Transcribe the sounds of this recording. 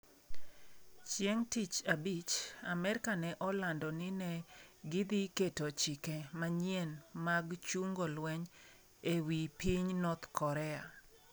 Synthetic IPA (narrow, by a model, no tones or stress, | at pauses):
t͡ʃjeŋtit͡ʃabit͡ʃamɛɾɪkanɛʔɔlandɔnɪnɛɡid̪iketot͡ʃikɛmaɲjenmaɡt͡ʃuŋɡolwɛɲ | ewipiɲnɔt̪kʰɔɾɛa